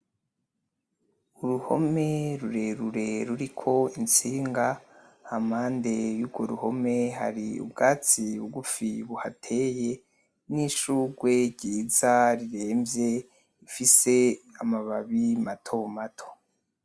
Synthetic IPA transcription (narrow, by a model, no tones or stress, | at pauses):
uɾuho̰me̞ɾuɾe̞ɾuɾe̞ɾuɾikʰo̞int͡siːŋɡahamhaːnde̞juɾɡoɾuho̞me̞ha̰ɾiṵbɡaːt͡siuɡufiβuhatʰe̞ːje̞ | niʃuːɡwe̞ɟiːzaɾiɾe̞ːmbje̞ | ifise̞amaβaβimatʰo̞matʰo̥